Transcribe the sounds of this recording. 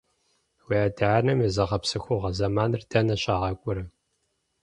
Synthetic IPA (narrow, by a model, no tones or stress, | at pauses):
wiadaʕanɐmizɐʁɐpsɨxʷʊʁɐzɐmaːnɨrdʰɐnɐɕʼaːʁɐkʷʼʊɾɐ